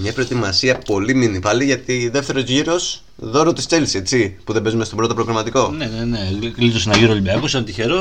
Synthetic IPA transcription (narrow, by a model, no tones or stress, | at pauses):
mɲɐpɾo̞et̪imɐsiɐpo̞liminipɐliʝɐt̪iðe̞ft̪e̞ɾo̞zʝiɾo̞s | ðo̞ɾot̪ist͡se̞lse̞t͡sipuðebe̞zumest̪o̞bɾo̞t̪o̞pɾoɣɾɐmɐt̪iko̞nenenelit̪osenɐʝiɾolibeɐkusɐnt̪içeɾo